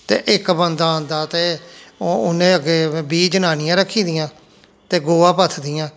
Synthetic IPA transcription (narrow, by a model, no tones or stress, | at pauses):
t̪ḛːʔɪkbənd̪aːnd̪aːt̪eː | ʊnẽːəɡeːbiːd͡ʒənaːnɪjãːɾəkʰːiːd̪ɪjãː | t̪eːɡoːãːpət̪ʰd̪ɪjãː